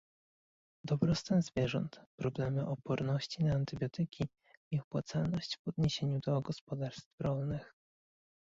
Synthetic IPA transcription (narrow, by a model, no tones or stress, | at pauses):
d̪ɔbɾɔst̪ɛnzvʲjɛʐɔ̰nt̪pɾɔblɛmɘʔɔpɔɾnɔɕt͡ɕinaːnt̪ɘbʲjɔt̪ɘkʲi | mʲɛxpwat̪salnɔɕt͡ɕvɔd̪ɲeɕeɲud̪ɔɡɔspɔd̪aɾst̪fɾɔlnɘx